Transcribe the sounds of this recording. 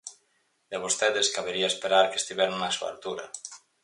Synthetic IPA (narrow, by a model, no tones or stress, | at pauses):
d̪eβost̪eðeskaβeɾiaespeɾaɾke̥st̪iβɛɾnasua̰ɾt̪uɾa̰